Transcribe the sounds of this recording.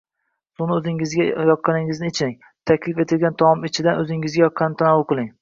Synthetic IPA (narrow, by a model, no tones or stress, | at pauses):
sʊnɪɵzɪŋɪzɡʲajɒp̪̚qɑnɪŋɪznɪet͡ʃʰnɪŋ | t̪ʰakʲlɪfe̞t̪ɪlɡʲant̪ʰɒmɒmɪt͡ʃʰɪd̪anɵzɪŋɪzɡʲajɒpʰːɑnt̪ʰanawʊlˠqʰɨlˠɪŋ